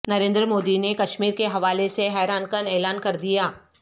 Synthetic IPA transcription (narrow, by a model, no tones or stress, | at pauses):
nɐɾẽːnd̪ɾəmoːd̪inekɐʃmiːɾkeɦɐʋaːleseɦɛːɾaːnkəneːlaːnkɐɾd̪ijaː